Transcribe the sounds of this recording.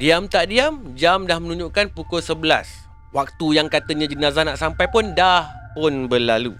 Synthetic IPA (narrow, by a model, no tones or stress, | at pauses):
diamt̪aʔdiamd͡ʒamdahmə̃nũɲd͡ʒuʔkanpukʊlsəbəla̰s | wak̚t̪ujaŋkat̪əɲãd͡ʒənãzanaʔsampajpʊndahpʊnbəlalṵ